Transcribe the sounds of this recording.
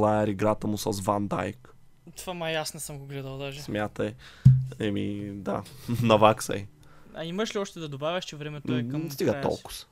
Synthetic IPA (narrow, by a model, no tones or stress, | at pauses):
lˠaɛɾiɡɾat̪əmusɐsvand̪a̰jk | t̪vamɐjasnɛsəmɡoɡlɛd̪əlˠd̪aʒɛsmʲjat̪əjɛmid̪a̰nɐvaksɐ̰j | ɐ̰iməʃliɔʃt̪ɛd̪ɐd̪obavʲjɐʃt͡ʃɛvɾɛmɛt̪ɛst̪iɡət̪ɔ̰lˠkʊ̥s